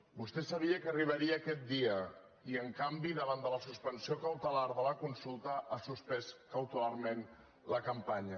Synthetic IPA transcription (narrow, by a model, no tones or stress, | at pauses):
bust̪ɛsəβiəkəriβ̞əɾiəːkɛt̪̚d̪iə | iəŋkambiðəβand̪ələsuspənsiokəwt̪əlaɾðələkunsulˠt̪əʔasuspɛskəwt̪əlarmen | ləkəmpaɲə